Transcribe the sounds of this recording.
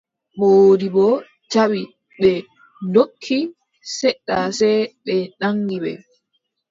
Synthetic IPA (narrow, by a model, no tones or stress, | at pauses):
ɓodibɔ | t͡ʃawi | ɓɛ | ndokʰːi | sɛɗːasɛɓɛɗaŋɡiɓɛ̰